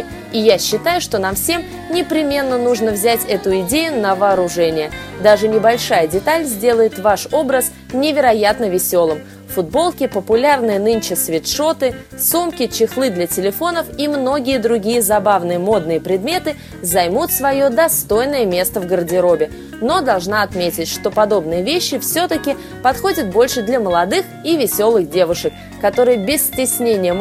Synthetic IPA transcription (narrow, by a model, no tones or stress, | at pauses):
ɪjaɕːɪt̪ajʊʂt̪o̞namfsʲe̞m | nʲɪpɾʲɪmʲe̞nːənuʐnəvzʲætʲɛt̪ʊɪdʲejʊnəvəːɾʊʐɛnʲɪjəd̪aʐɨnʲɪbɐlʲʂajədʲɪt̪alʲzʲdʲe̞lˠəjɪt̪vaʂo̞bɾəs | nʲɪvʲɪɾɐjat̪nəvʲɪsʲo̞lˠɨm | fʊd̪̚bo̞lˠkʲɪpəpʊlʲarnɨjənɨnt͡ɕɪsvʲɪt̪ʂo̞t̪ɨ | sumkʲɪt͡ɕɪxlˠɨd̪lʲɐtʲɪlʲɪfo̞nəfimno̞ɡʲɪjəd̪ɾʊɡʲijəzɐbavnɨjəmo̞d̪̚nɨjəpɾʲɪd̪mʲe̞t̪ɨ | zɐjmut̪svɐjo̞d̪ɐst̪o̞jnəjəmʲe̞st̪əvɡərdʲɪɾo̞bʲɪ | no̞d̪ɐlˠʐnaɐt̪mʲetʲɪtʲʂt̪o̞pɐd̪o̞bnɨjəvʲeɕːɪfsʲot̪əkʲɪ | pɐt̪xo̞dʲɪt̪̚bo̞lʲʂɨd̪lʲɐməlˠɐd̪ɨxivʲɪsʲo̞lˠɨxdʲe̞vʊʂɨkːɐt̪o̞ɾɨjəbʲɪsːʲtʲɪsʲnʲenʲɪjə